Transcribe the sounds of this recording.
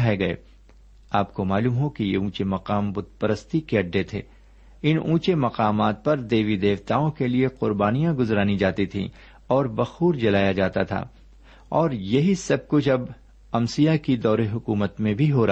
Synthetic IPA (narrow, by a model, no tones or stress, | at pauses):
ɦeɡɐḛː | aːpkomaːluːmɦokijeũːt͡ʃemɐqaːmbʊd̪̚pəɾəst̪ikeɐɖːet̪ʰḛː | ɪnũːt͡ʃemɐqaːmaːt̪̚pɐɾd̪eːʋid̪eːʋt̪aːõkelieqʊɾbaːnijãɡʊzɾaːnid͡ʒaːt̪it̪ʰḭ̃ː | ɔːɾbɐxuːɾd͡ʒɐlaːjad͡ʒaːt̪at̪ʰa̰ː | ɔːɾjɐɦisɐb̚kʊt͡ʃʰɐb | ɐmsijakid̪ɔːɾeɦʊkuːmət̪mẽbʱiɦoɾ